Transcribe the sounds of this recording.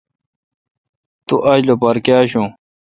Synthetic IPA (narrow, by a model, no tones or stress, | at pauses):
t̪uʔɐd͡ʑlopɐɾkjaːɕũ